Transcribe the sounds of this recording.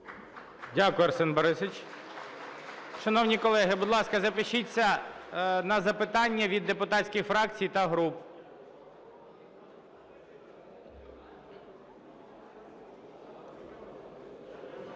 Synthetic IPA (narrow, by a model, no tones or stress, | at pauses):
dʲakʊjɐrsɛnbɔɾɪset͡ʃ | ʃɐnɔwnʲikɔlˠɛɦɪbʊd̪lˠɑskɐzɐpɪʃit͡sʲːɐ | nɐzɐpɪt̪ɑnʲːɐʋʲid̪ːepʊt̪ɑt͡sʲkʲɪxfɾɑkt͡sʲijt̪ɐɦɾup